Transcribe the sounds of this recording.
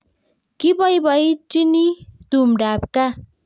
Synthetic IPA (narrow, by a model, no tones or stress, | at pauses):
kibʌjbʌjt͡sinid̪̥umɖab̚ka